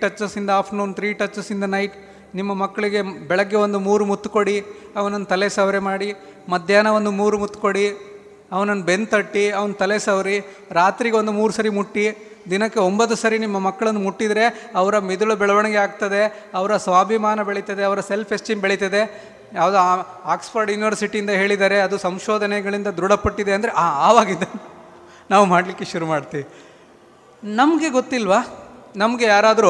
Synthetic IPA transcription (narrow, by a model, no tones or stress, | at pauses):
ʈɐt͡ʃːɐsind̪ɐaːpʰnunt̪ɾiːʈɐt͡ʃːɐsind̪ɐnɐjʈ | nimːɐmɐkːɐɭiɡe̞bɛɭɐɡːeo̞nd̪umuːɾumut̪ːko̞ɽi | ɐʋɐnɐnːt̪ɐlesɐʋɾemaːɽi | mɐd̪ʱjaːnɐo̞nd̪umuːɾumut̪ːko̞ɽi | ɐʋɐnɐnːbe̞nt̪ɐʈːiɐʋɐnt̪ɐlesɐʋɾi | ɾaːt̪ɾiɡeo̞nd̪umuːɾusɐɾimuʈːi | d̪inɐkːeombɐt̪̬ːusɐɾinimːɐmɐkːɐɭɐnːumuʈːid̪ɾe̞ɐʋɐɾɐmid̪uɭɐbɛɭɐʋɐɳɛɡeaːɡt̪ɐd̪e̞ | ɐʋɐɾɐsʋaːbʱimaːnɐbeɭit̪ɐd̪eɐʋɐɾɐse̞lpʰesʈiːmbeɭit̪ɐd̪e̞ | jaːʋud̪u | aːksfɐɾɖjuːniʋɐɾsiʈiːnd̪ɐɦe̞ːɭid̪aːɾeɐd̪usɐmʃoːd̪ʱɐnɛɡɐɭind̪ɐd̪ɾuɽɐpɐʈːid̪eɐnd̪ɾeʔaaːʋaːɡid̪ɐ | naːʋumaːɽlikːeʃuɾumaːɽt̪iːʋi | nɐmɐɡe̞ɡot̪ːilʋaːnɐmɐɡejaːɾaːd̪ɾu